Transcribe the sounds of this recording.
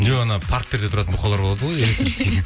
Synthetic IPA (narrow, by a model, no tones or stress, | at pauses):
neɑnɑpʰaɾkt̪ːeɾd̪et̪ʰʊɾɑt̪ənbʰoqʰːɑwlˠɑɾboɑd̪əʁojelʲek̚t̪ɾisee